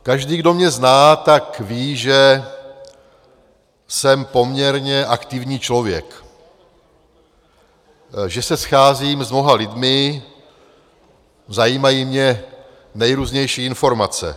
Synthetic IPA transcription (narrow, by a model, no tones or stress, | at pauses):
kaʒdiːɡdo̞mɲɛznaːt̪akviːʒɛ | sɛmpo̞mɲɛɾɲɛʔakt̪ɪvɲiːt͡ʃlo̞vjɛ̰k | ʒɛsɛsxaːziːmzmno̞ɦalɪdmɪ | zajiːmajiːmɲɛ | nɛjɾuːzɲɛjʃiːɪnfo̞ɾmat͡sɛ̰